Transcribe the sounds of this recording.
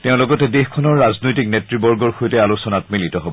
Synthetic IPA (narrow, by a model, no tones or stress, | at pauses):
teʊ̃lɔɡɔtɛdexkʰɔnɔɹːaznojtiknetɹibɔɹɡɔɹxojtɛalosɔnat̚militɔɦobɔ